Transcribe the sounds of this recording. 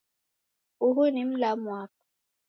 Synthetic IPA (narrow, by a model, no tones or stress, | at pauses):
uɦunim̩lamwak̚a